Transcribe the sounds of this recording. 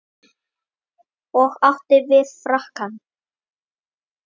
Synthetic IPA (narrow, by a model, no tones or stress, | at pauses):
ɔɣaw̥t̪ɪɾvɪðfɾahkan